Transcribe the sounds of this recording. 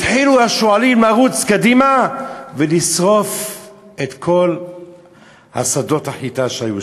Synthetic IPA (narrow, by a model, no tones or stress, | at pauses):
t̪ħiluaʃoalimlaʁut͡skad̪imavelisʁo̞f | et̪kʰo̞l | ha̰sad̪o̞t̪aħit̪aʃaju